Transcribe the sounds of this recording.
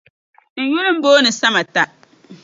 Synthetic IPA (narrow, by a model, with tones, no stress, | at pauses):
n̩˨jʊ˦lʊ̃˦m̩˦boː˦nɪ̃˨sa˦ma˨ta˦